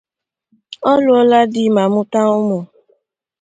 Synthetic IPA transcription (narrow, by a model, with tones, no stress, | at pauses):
ɔ˦lʊ˦ɔ˦la˦dɪ˦ma˨mʊ˦ta˦ʊ˦mʊ˨